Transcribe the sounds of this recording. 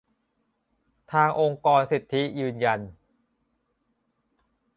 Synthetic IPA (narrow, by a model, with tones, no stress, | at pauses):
t̪ʰaː˧ŋʔo˧ŋkɔː˧nsi˨˩t̪ʰːi˦˥jɯː˧nja˧n